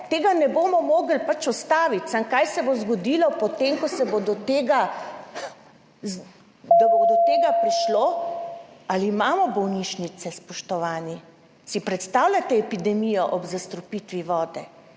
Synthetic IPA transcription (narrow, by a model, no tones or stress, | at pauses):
t̪eːɡanɛboːmɔmoːɡl̩pat͡ʃɔst̪aːʋit̪saŋkajsɛbozɡɔd̪iːlɔpɔt̪emkɔsɛbod̪ɔt̪eːɡa | d̪abod̪ɔt̪eːɡapɾiʃlo | aliːmaːmɔbɔwniːʃnit̪sɛspɔʃt̪ɔʋaːni | sipɾɛt̪st̪aːwlʲjat̪ɛɛpid̪ɛmiːjɔʔɔbzast̪ɾɔpit̪ʋiʋɔːd̪ɛ